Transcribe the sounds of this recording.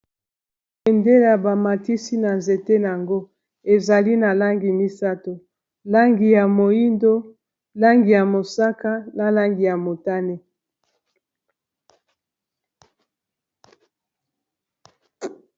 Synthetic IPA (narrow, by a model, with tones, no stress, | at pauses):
e˨nde˦la˨ba˨ma˨ti˦si˦na˨nze˨te˦n˨a˨ŋɡo˦ | e˨za˨li˦na˨la˦ŋɡi˨mi˦sa˦to˨ | la˦ŋɡi˨ja˨mo˨i˦ndo˦ | la˦ŋɡi˨ja˨mo˨sa˦ka˦na˨la˦ŋɡi˨ja˨mo˨ta˦ne˦